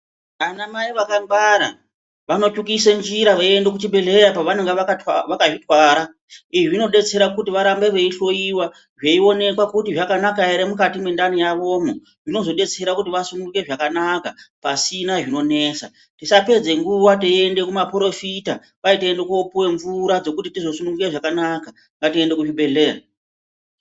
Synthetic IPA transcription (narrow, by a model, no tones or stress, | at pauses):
anamaiʋakambaɾa̰ | ʋano̞t͡ʃukisend͡ʒiɾaʋaiendekut͡ʃiɓeɮe̞japaʋaneŋɡeʋaaʋakaʐitwaːɾa | iʐiino̞ɗe̞t͡se̞ɾakutiʋaɾambeʋe̞iɬo̞iwa | ʐeio̞ne̞kwakutiʐakanakaeɾemukatimwe̞ndanijaʋo̞mo | ʐino̞zo̞ɗe̞t͡se̞ɾakutiʋasunuuke̞ʐakanakapasinaʐino̞ne̞sa̰ | tisape̞d͡ze̞ŋɡuwateende̞kumapɾo̞fita | ʋaiteendekopuwe̞ɱvuɾad͡zo̞kutitizo̞sunuɡureʐakanaka | ŋɡatie̞nde̞kuʐiɓe̞ɮe̞ːra